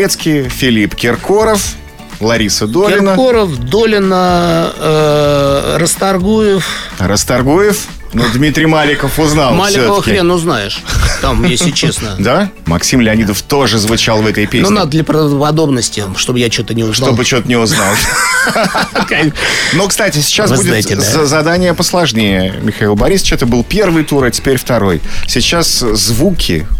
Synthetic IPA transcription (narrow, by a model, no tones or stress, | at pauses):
et̪skʲijfʲɪlʲipkʲɪrkoɾəf | lˠɐɾʲisəd̪olʲɪɪnkəoɾəfd̪o̞lʲɪnəə | rəst̪ɐrɡujɪfrəst̪ɐrɡujɪf | nod̪mʲit̪ɾʲɪjmalʲɪkəfʊznalˠmalʲɪsokəvəəxʲɾɪenʊznajɪʂt̪amjesʲɪt͡ɕːesnəjd̪amɐksʲimlʲɪɐnʲid̪əft̪o̞ʐɨzvʊt͡ɕalˠvɛt̪əjpʲesnʲonad̪əd̪lʲəpɾəpɐd̪o̞bnəsʲtʲɪʂt̪obɨjat͡ɕot̪ənʲɪʊzʂobɨt͡ɕot̪ənʲɪʊznalˠ | nokst̪atʲɪsʲɪ̥t͡ɕasbudʲɪaɪt̪ʲd̪zɐd̪anʲɪjəpəslˠɐʐnʲejəmʲɪxɐilˠbɐɾʲist͡ɕɛt̪əbɨlˠpʲe̞rvɨjt̪uɾatʲɪ̥pʲeɾʲft̪ɐɾo̞jsʲɪt͡ɕaszvukʲʰɪ̰